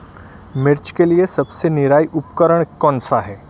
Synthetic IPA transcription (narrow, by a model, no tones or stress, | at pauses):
meɾt͡ɕkelijesəbseniɾajʔupkəɾəɳkɔnsaɦe